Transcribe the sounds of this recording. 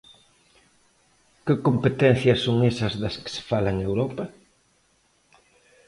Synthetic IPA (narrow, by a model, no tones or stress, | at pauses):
kɪkompet̪ɛn̟θjɐsːoŋesɐzðɐskɪ̥sɪ̥falɐŋewɾɔpɐ